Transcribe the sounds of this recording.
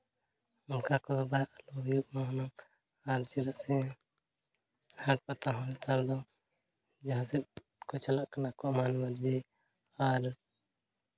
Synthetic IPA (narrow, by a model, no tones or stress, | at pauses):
ʊnkakɔbaɾalɔbjuɡmanam | aɾt͡ʃilaʔsɛ | haʈ̚pat̪aɦɔɛt̪ʰaɾd̪ɔ | d͡ʒaɦãsɛ | kɔt͡ʃalaʔkanakɔʔmanbaɾd͡ʒɛ | aɾ